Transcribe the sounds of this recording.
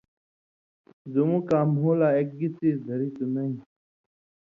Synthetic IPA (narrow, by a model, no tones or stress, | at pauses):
zumũːkaːmɦuːlaːek̚ɡit͡siːd̪ʱəɾiːt̪unɐĩ